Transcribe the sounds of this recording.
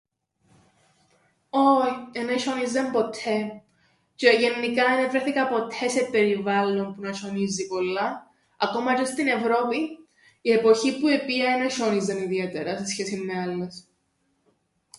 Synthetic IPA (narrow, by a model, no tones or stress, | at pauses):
ojeneʃonizɐmpo̞t̪ʰe̞ | ceʝe̞nːikɐenevɾeθikɐpo̞t̪ʰe̞se̞pe̞ɾivɐlːo̞mpunɐʃo̞nizipo̞lːɐ | ɐko̞mɐcost̪ine̞vɾo̞pi | ie̞po̞çipue̞piɐeneʃonizɐniðie̞t̪e̞ɾɐse̞sçe̞simːeɐlːes